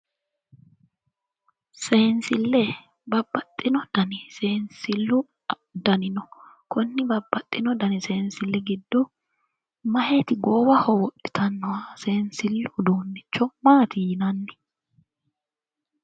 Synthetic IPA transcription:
seːnsɪlːɛ | bɐbːɐt̪ʼːɪnɔd̪̥ɐnɪseːnsɪlːʊ | d̪ɐnɪnɔ | kɔnːɪbɐbːɐt̪ʼːɪnɔd̪ɐnɪseːnsɪlːɛɡɪd̪ːɔ | mɐhet̪ɪɡoːwɐhɔwɔʔɪ̥t̪ʰɐnːɔwaseːnsɪlːʊd̪oːnːɪt͡ʃːɔmaːt̪ʰɪjɪnɐnːɪ̥

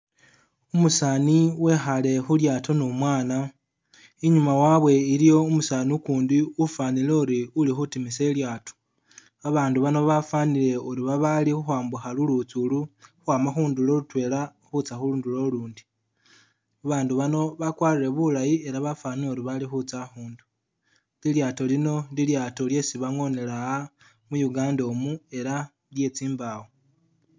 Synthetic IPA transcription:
umusaniwe̞xale̞xuljaːtʰo̞numwaːna | iɲumawaβwe̞ilijo̞umusaːnukuːndiufaːnile̞uɾiulixutimise̞ljaːto̥ | aβaːnduβano̞βafanile̞uɾiβaβalixuxwaːmbuxalulut͡suluxwaːmaxuːndulo̞lutwe̞ːla | xut͡saxuluːndulo̞luːndi | aβaːnduβano̞βakwaːɾiɾe̞βulajie̞ɾaβafaːnieɾiβalixut͡saxuːndu | liljaːto̞lino̞liljaːto̞lje̞siβaŋo̞ne̞laa | mujuɡaːndo̞mue̞ɾa | lje̞t͡siːmbawo

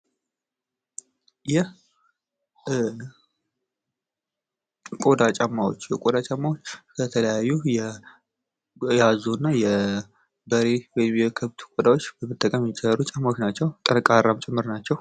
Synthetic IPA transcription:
jɛ | kʼo̞d̪at͡ʃʼamːawo̞t͡ʃːjɛkʼod̪at͡ʃʼamːawot͡ʃːkʰət̪ʰələjajːujɛ | jazuɨnːajɛ | bəɾewɔjɪmjɛkʰɨβt̪ʰu̥kʷʼod̪awo̞t͡ʃːbəmɨt̪ʼːəkʼəmjt͡ʃʼːɛɾut͡ʃʼamːawot͡ʃnat͡ʃːɛwt̪ʼənkʼaɾːamt͡ʃʼɪmːɨɾnat͡ʃːɛw

